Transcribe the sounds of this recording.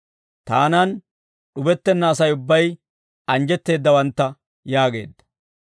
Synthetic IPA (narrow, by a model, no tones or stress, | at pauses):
t̪aːnɐn | ɗʊbɛt̪ːɛnːaːsɐjʊbːɐj | ɐnd͡ʒɛt̪ːe̞ːd̪ːɐwɐnt̪ːɐ | jaːɡe̞̰ːd̪ːɐ̥